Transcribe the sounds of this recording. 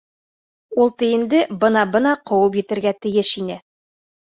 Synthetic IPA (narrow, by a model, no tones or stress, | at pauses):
ulˠt̪ɘ̆jɘ̆nd̪ɘbɤ̆nɑbɤ̆nɑqŏwɤp̬jɘ̆t̪ɘ̆ɾɡæt̪ɘ̆jɘʃinɘ